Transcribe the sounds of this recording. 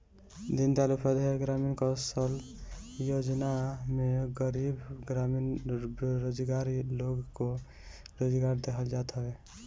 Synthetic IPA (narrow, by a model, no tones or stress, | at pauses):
d̪int̪alupʰəd̪ʱeɡɾaminkəsəljod͡ʒnameɡəɾibɡɾaminɾod͡ʒɡaɾiloɡko | ɾod͡ʒɡaɾd̪ekʰəld͡ʒat̪ɦəbe